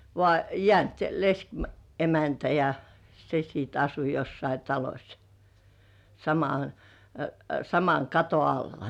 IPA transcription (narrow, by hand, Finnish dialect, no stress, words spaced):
ʋŏɑˑ jĕæˑnt lesk emæntæ jɑ se siːt ɑsu josːɑi tɑlosʲ sɑmɑ sɑmɑŋ kɑto ɑlːɑ